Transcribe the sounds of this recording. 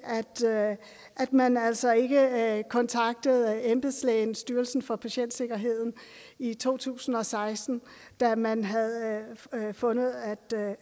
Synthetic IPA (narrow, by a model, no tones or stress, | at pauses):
æd̥ | ʔæd̥mænæl̰sɒ̽e̝ɡ̥əkʰɒ̽nt͡sʰɑ̈ɡ̥̚d̥əð̞̩ˠemb̥eslɛɪnsd̥yːɐlsn̩fɒ̽pʰæɕen̰d̥se̝ɡ̥ɐɦe̝ð̰ˠn̩it͡sʰo̝̰ːt͡sʰṵːsn̩ɒ̽sɑ̈ɪsd̥n̩ | d̥æmænɦæðˠ | fɔ̽nəð̩ˠæd̥